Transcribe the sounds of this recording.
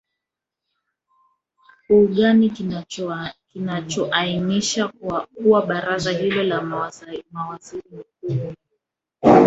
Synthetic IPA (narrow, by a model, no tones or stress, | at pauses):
uɠani | kinat͡ʃɔʔainiʃakuwaɓaɾazahilɔla | mawaziɾimak̚u